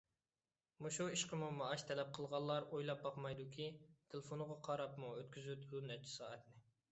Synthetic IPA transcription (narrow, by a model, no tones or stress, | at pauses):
muʃuiʃqəmumɑːʃt̪ʰɛlɛp̚qʰəlˠʁɑlˠːɑɾojlˠɑp̚bɑqmɑjd̪ukʲʰit̪ʰelɪfonʁɑqʰɑɾɑpmuøt̪kʲyzyd̪unɛɾt͡ʃʰɪ̥sɑ̰ːɛt̪nɪ